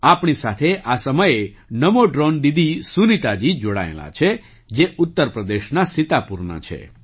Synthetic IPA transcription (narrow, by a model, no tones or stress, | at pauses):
apɳisat̪ʰeʔasəməje | nəmoɖɾond̪id̪isunit̪ad͡ʒid͡ʒoɽa̰ḛla̰t͡ʃʰe | d͡ʒeʔut̪ːəɾpɾəd̪eʃnasɪt̪apuɾna̰t͡ʃʰḛ